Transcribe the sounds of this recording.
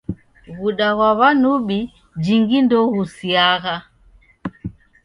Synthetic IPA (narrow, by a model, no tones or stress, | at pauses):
ɣuɗaɣwaβanuɓi | d͡ʒiŋɡindɔɣusiaɣa